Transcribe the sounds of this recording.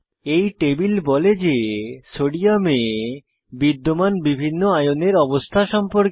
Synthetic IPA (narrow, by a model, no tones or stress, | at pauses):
ejʈebilbɔled͡ʑesoɽiame | bid̪ːomanbibʱinːoajoneɾɔbost̪ʰaʃɔmpoɾk